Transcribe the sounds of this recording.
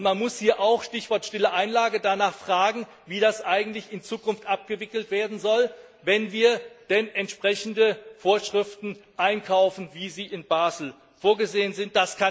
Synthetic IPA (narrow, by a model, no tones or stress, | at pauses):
ʊntmanmʊshiːɐʔaʊxʃtɪçv̥ɔɐtʃtɪləʔaɪnlaːɡədanaːχfʁ̥aːɡŋ̩ | viːɾasʔaɪɡŋ̩tlɪçɪnt͡suːkʊnftʔap̚ɡ̥əvɪkl̩tv̥eːɐdn̩zɔl | vɛnviːɐd̥ɛnʔɛntʃpʁ̥ɛçn̩dəfoːɐʃʁ̥ɪftn̩ʔaɪnkʰaʊfn̩viːziːɪnbaːzl̩ | foːɐɡəzeːənzɪnt̚d̥askʰa